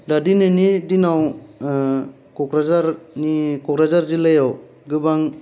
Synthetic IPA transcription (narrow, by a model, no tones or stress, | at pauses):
dadinɯnidinaw | kɔkɾazaɾnikɔkɾazaɾzilajaw | ɡɯbaŋ